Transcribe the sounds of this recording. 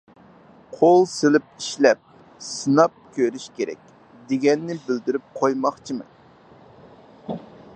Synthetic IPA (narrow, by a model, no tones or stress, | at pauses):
qʰolˠselɪp̚iʃlɛp̚ | sɨnɑp̚kʲʰøɾyʃkʲeɾɛ̰kʲ | d̪eɡʲɛnːɪbɪld̪yɾyp̚qʰojmɑχt͡ʃʰimɨ̰